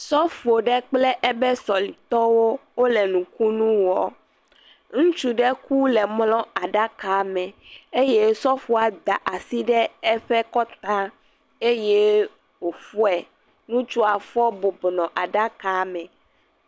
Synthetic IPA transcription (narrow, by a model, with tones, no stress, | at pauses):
sɔ˦fu˨o˨ɖɛ˦k͡plɛ˦ʔɛ˦bɛ˦sɔ˨li˨t̪ɔ˦wo˦wo˦lɛ˨nũ˨ku˦nũ˦wɔ˦ | ŋũ˦t͡ʃu˦ɖɛ˦ku˦lɛ˨mlɔ̃˦a˨ɖa˦ka˨mɛ̃˨e˦je˦sɔ˦fu˨a˨d̪a˨ʔa˨si˦ɖɛ˦ɛ˦ɸɛ˦kɔ˦t̪ã˦ | e˦je˦ | wo˨fu˦ɛ˨ | nũ˦t͡ʃu˦a˨fɔ˦bo˨bnɔ̃˨ʔa˨ɖa˦ka˨mɛ̃˨